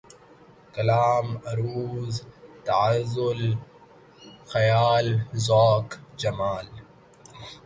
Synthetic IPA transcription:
kɐlaːmɐɾuːzt̪ɐʕazʊl | xɐjaːlzoːkd͡ʒɐmaːl

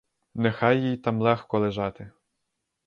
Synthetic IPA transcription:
nexɑjːijt̪ɑmlˠɛxkɔlˠeʒɑt̪ɪ

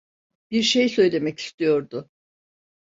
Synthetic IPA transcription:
b̥iɾʃejsø̞jlʲe̞mɛci̥st̪ʰijo̞ɾd̪ʊ

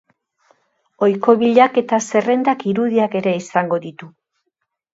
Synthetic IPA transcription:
o̞jko̞βiʎake̞t̪ase̞re̞nd̪akiɾuðiake̞ɾe̞isaŋɡo̞ðit̪u

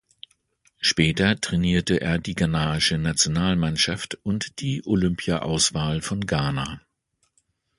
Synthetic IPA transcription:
ʃpɛːtɐtʁ̥ɛniːɐtəʔḛːɐdiːɡanaːɪʃənat͡sjonaːlmanʃaftʔʊntd̥iːʔolʏmpʰjaʔa̰ʊsv̥aːlfɔnɡaːnaː

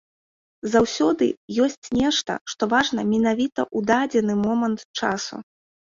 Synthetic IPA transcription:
zawsʲɔd̪ɨ̰jɔsʲt͡sʲnʲɛʂt̪ɐ̰ʂt̪ɔvaʐnɐmʲinavʲit̪ɐ̰ʔud̪ad͡zʲɛnɨmɔmɐnt̪t͡ʂa̰sṵ

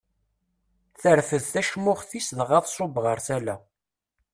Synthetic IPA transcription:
θəɾfəðθæʃmʊʁθisðʁɑðˤsˤobʁəɾˤθælæ

